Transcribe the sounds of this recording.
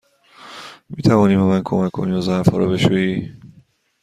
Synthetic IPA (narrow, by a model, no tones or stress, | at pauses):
miːt̪ʰævɒːniːbɒmænkʰomækʰkʰːoniːɒzæɾfhɒ̰ːɾɒbe̞ʃuːjiː